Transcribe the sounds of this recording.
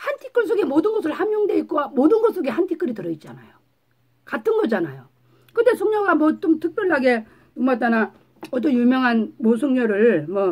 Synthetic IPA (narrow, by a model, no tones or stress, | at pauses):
hantʰi̥k͈ɯɭs̬͈ʰoɡe̞modɯnɡʌs̬ʰɯɭhamjoŋde̞it̚k͈oamodɯnɡʌs͈ʰoɡe̞hantʰik͈ɯɾitɯɾʌit̚t͡ɕ͈anajo | katʰɯnɡʌd͡ʑanajo | kɯnde̞sʰoŋɲʌɡamwʌt͡ɕ͈omtʰɯk̚p͈jʌɭːaɡe̞ | nomat͈ana | ʌt̬͈ʌnjumjʌŋɦanmosʰoŋɲʌɾɯɭmʌ